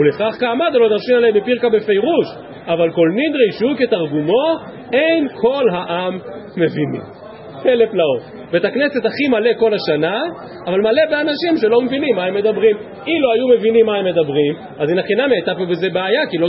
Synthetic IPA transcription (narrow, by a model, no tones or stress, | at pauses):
ule̞χaχkaːmad̪alodaʁʃimalebepiʁkabe̞fejʁuʃ | avalko̞lnid̪ʁejʃuket̪aʁɡumo̞ | e̞jnkʰo̞lɦaʔamːe̞vinḭ | teleplaot | betakne̞se̞t̪aχimale̞ko̞laʃanaː | valmale̞beanaʃimʃe̞lo̞me̞vinimːae̞mːe̞d̪abʁim | iloajume̞vinimːae̞mːe̞d̪abʁim | azinaχinamiajt̪apobe̞ze̞beajakilo